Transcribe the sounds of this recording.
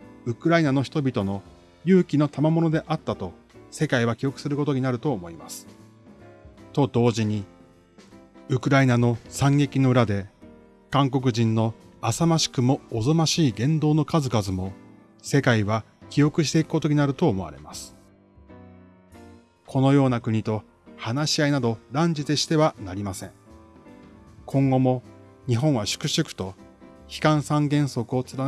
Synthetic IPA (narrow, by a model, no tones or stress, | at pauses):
ɯ̟kɯ̟ɾainano̞çi̥t̪o̞bʲit̪o̞no̞ | jɯ̟ːkʲino̞t̪amamo̞no̞d̪e̞ʔat̪ːat̪o̞ | se̞kaiβ̞akʲijo̞kɯ̟̥sɨɾɯ̟ko̞t̪o̞ɲ̟inaɾɯ̟t̪oːmo̞imasɨ̥ | t̪o̞d̪o̞ːʑiɲ̟i | ɯ̟kɯ̟ɾainano̞sãŋɡe̞kʲino̞ɯ̟ɾad̪e̞ | kãŋk̬o̞k̬ɯ̟ʑĩnːo̞ | asamaɕi̥kɯ̟mo̞ːzomaɕiːɡẽ̞nd̪o̞ːno̞kazɨkazɨmo̞ | se̞kaiβa | kʲijo̞kɯ̟ɕ̬t̪e̞i̥ko̞t̪oinaɾɯ̟t̪o̞ːmo̞a̰ɾe̞̰masɨ̥ | kʰo̞no̞jo̞ːnakɯ̟ɲ̟it̪o̞ | hanaɕiainad̪o̞ɾãɲ̟d͡ʑit̪eɕi̥t̪e̞βanaɾʲimasẽ̞ŋ | kʰõ̞ŋɡo̞mo̞ | ɲ̟iɦõ̞ɰ̃βaɕɨ̥kɯ̟ɕɨkɯ̟̥t̪o̞ | çi̥kãɰ̃sãŋɡẽ̞ɰ̃so̞kɯ̟o̞t͡sɨɾa